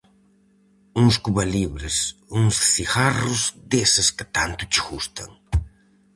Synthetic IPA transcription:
uŋskuβaliβɾɪsuŋsθiɣarʊzd̪esɪskɪt̪ant̪ʊt͡ʃɪɣust̪ɐ̰ŋ

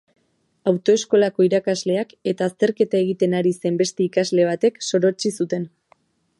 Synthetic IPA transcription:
awt̪o̞e̞sko̞lako̞iɾakazle̞ake̞t̪aːst̪e̞ɾke̞t̪ae̞ɣ̞it̪e̞naɾise̞mbe̞st̪e̞ikazle̞β̞at̪e̞kso̞ɾo̞t͡ʃisut̪e̞n

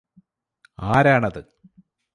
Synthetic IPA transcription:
aːɾaːɳɐðɨ

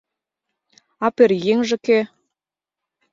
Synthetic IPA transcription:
ɑperjeŋʒɘ̆ke

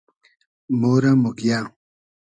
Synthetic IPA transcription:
moɾamokja

